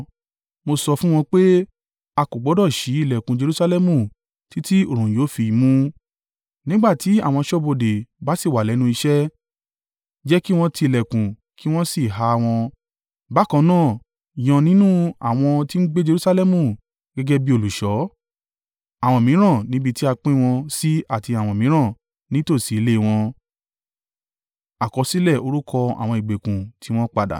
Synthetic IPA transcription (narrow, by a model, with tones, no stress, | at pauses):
mo˧sɔ˧fũ˦w̃ɔ̃˧k͡pe˦ | a˧ko˨ɡ͡bɔ˨˦dɔ˦˨ʃi˨˦i˦˨lɛ˨kũ˨d͡ʒe˧ɾu˦sa˧lɛ˦mũ˦˨ | ti˦ti˦o˨ɾ̃ũ˨joː˨˦fi˨˧˨mũ˧˦ | nĩ˦ɡ͡ba˦˨ti˨˦a˦˨w̃ɔ̃˧ʃɔ˦bo˧de˨ba˦si˦˨wa˨lɛ˨˦nũ˧i˧ʃɛ˦ | d͡ʒɛ˦ki˦w̃ɔ̃˧tʰi˧i˨lɛ˨kũ˨ | kʰi˦w̃ɔ̃˦si˦˨ɦa˨˦˧w̃ɔ̃˧ | ba˨˦kɔ̃˧nãː˦˨ | i˨j̃ɔ̃˨˧nĩ˦nũ˦a̰˦˨w̃ɔ̃˧ti˦n̩˦ɡ͡be˦d͡ʒe˧ɾu˦sa˧˦lɛ˦mũ˦˨ | ɡ̥ɛ˦ɡɛ˦bi˦o˧˨lu˨ʃɔ˨˦ | a˨w̃ɔ̃˧˨mĩ˨˦ɾ̃ã˦˨nĩ˨˦bi˧ti˦a˧k͡pĩ˦w̃ɔ̃˧si˦a˦˨ti˧a˨wɔ̃˨mĩ˨˦ɾ̃ã˦˨ | nĩ˨˦to˦˨si˨˦le˦˧w̃ɔ̃˧ | a˨kɔ˨˧˦si˦lɛ˦˨o˧ɾu˦kʰɔ˧a̰˨w̃ɔ̃˧i˨ɡ͡be˨kũ˨tʰi˨˦w̃ɔ̃˦k͡pa˧da̰˨